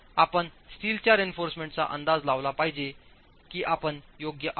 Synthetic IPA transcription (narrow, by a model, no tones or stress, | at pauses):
apəɳst̪ʰiːlt͡ɕjaɾenfoɾsmẽɳʈt͡sa̰ʔə̰nd̪ad͡zlaʋlapaɦid͡ʑe | kiːʔapəɳjoɡjəʔ